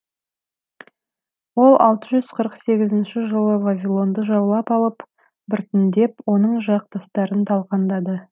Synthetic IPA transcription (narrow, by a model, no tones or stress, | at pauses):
wo̞lˠʔɑ̰lˠt̪əʒʏz̥qʰəɾəqse̞ɡʲɪzɪnʃɪʒəlˠəvavʲilˠo̞nd̪əʒɑwlˠɑpɑlˠəp | bʏɾt̪ɪnd̪e̞pwo̞nəɴʒɑq̚t̪ɑst̪ɑɾənt̪ʰɑlˠqɑnd̪ɑd̪ə